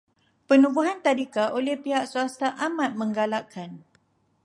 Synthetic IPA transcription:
pənũbuɦant̪adikaʔolɛhpiɦaʔsuast̪aʔamãt̪̚mə̃ŋɡalaʔkʰan

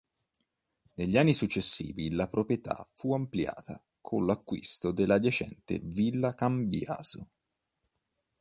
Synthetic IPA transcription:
neʎːanːisut͡ʃːesːḭːvilapɾopɾjet̪ʰa̰fuamplja̰ːt̪a | kʰonlakːwḭst̪od̪elːad̪jat͡ʃɛ̰nt̪ḛvilːakambja̰ːz̥o

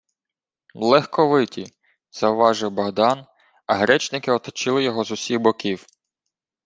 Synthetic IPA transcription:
lˠɛxkɔʋɪtʲi | z̥ɐʊʋɑʒɪwbɐɦd̪ɑn | ɐɦɾɛt͡ʃnɪkɪɔt̪ɔt͡ʃɪlˠɪjɔɦɔzʊsʲiɣbɔkʲiw

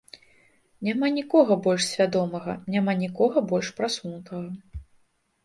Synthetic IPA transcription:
nʲamanʲikɔɣɐbɔlʲʂsʲvʲad̪ɔmɐɣɐ̰nʲamanʲikɔɣɐbɔlʲʂpɾasunut̪ɐɣɐ

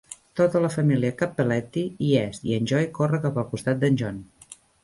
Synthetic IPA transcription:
t̪ot̪ələfəmiliəkapːəlɛt̪iiɛst̪iənʲʒɔjkorəkapəlˠkust̪at̪̚d̪ənʲʒɔn

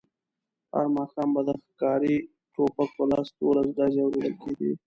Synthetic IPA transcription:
ha̰ɾmɑxɑmbad̪əxkɑɾi | ʈʰopak̚pəlɑst̪olazd̪ɑzeawɾed̪əlkeɡḭ

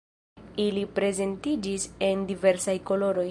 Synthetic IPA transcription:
ilipɾe̞ze̞ntid͡ʒise̞ndive̞ɾsajko̞lo̞ɾo̞j

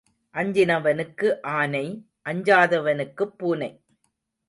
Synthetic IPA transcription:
ʔɐɲd͡ʒɪnɐʋɐnɯkːɯʔaːnɐɪ | ʔɐɲd͡ʒaːðɐʋɐnɯkːɯpːuːnɐɪ

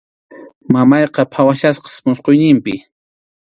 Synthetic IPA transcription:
mamɑjqɑpʰawaʃasqɑ̥smʊsqojnɪmpɪ

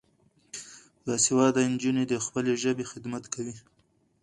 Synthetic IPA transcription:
d̪ɑsewɑd̪aɪnd͡ʒuned̪əxpəleʒəbexɪd̪mat̪kawi

